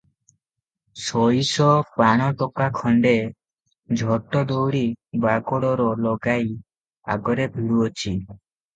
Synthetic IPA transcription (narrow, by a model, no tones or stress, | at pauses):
sɔjsɔpaɽ̃ɔʈɔkakʰɔɳɖe | d͡ʒʱɔʈɔd̪owɽibaɡɔɽɔɾɔlɔɡaj | a̰ɡɔɾebʱiɭuɔt͡ʃʰi